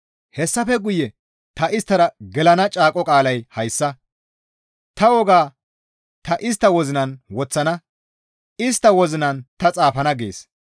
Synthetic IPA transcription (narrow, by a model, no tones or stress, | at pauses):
hɛsːɐfɛɡʊjːɛ | t̪ɐʔɪst̪ːɐɾɐɡɛlɐnɐt͡ʃʼaːkʼɔkʼaːlɐjhɐjsːɐ | t̪ɐwɔɡaː | t̪ɐʔɪst̪ːɐwɔzɪnɐnwɔt͡sːɐnɐ | ɪst̪ːɐwɔzɪnɐnt̪ɐt͡sʼaːfɐnɐɡḛːs